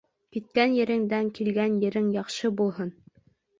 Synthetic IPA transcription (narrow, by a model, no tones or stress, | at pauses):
kit̪̚kænjɘ̆ɾɘ̆ŋd̪æŋkilɡænjɘ̆ɾɘŋjɑχʃɤbulˠhɤn